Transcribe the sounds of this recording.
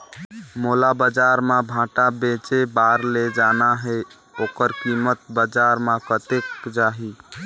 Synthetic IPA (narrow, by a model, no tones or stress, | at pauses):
molabəd͡ʒaɾmebʱãʈabet͡ʃebaɾled͡ʒanaɦe | okəɾkimət̪̚bəd͡ʒaɾmakət̪ekd͡ʒaɦi